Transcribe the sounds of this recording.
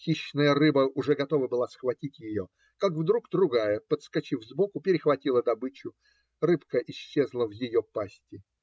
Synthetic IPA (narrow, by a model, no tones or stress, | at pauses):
xʲiɕːnəjərɨbəʔʊʐɛɡɐt̪o̞vəbɨlˠasxvɐtʲitʲjɪjo | kakvd̪ɾuɡd̪ɾʊɡajəpət̪skɐt͡ɕivzbokʊpʲɪɾʲɪxvɐtʲilˠəd̪ɐbɨt͡ɕʊ | rɨpkəʔɪɕːezlˠəvjɪjopasʲtʲɪ